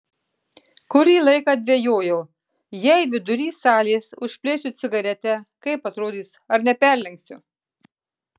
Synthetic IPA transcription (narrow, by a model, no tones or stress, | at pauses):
kʊɾʲiːlˠɐɪkɑːd̪ʲʋʲejoːjɛʊ | jɛɪʋʲɪd̪ʊɾʲiːsɑːlʲeːsʊʃʲpʲlʲeːt͡ʃʲʊt̪sʲɪɡɐɾʲɛt̪ʲɛkɐɪpɐt̪ɾoːd̪ʲiːsɐɾnʲɛpʲɛɾʲlʲɛŋksʲʊ